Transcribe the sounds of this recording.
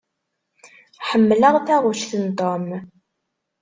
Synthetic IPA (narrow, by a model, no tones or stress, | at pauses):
ħəmːləʁθæʁuʃθənt̪ˤom